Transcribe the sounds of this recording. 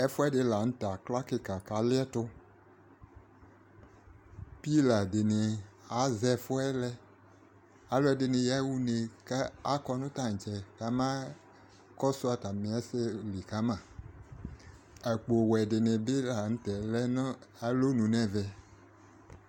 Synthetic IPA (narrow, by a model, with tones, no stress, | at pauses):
ɛ˦fʊ˦ɛ˦dɪ˦la˨ŋ̩̃˦t̪a˨kla˦kɪ˦ka˨ka˨lɪ˦ɛ˦tʊ˦ | pi˦la˨dɪ˨nɪ˨a˨˦zɛ˦fʊ˦ɛ˦lɛ˦ | a˨lo˦ɛ˦dɪ˨nɪ̃˨ja˦wu˦ne˨ka˦a˦kɔ˦nʊ̃˦t̪a˦ŋ̩˨t͡ʃɛ˨ka˨˦mã˦ | kɔ˦sʊ˦a˨ta˨mĩ˨ɛ˦se˦li˨ka˨˦mã˨ | ɛ˨k͡po˨wɛ˨dɪ˨nɪ̃˨be˦la˨ŋ̩̃˦tɛ˨lɛ˦n˦a˨lo˦nũ˨nɛ̃˦vɛ˨